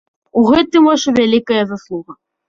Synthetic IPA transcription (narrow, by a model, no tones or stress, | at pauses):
uɣɛt̪ɨmvaʂɛvʲalʲikɐjɐzaslˠuɣɐ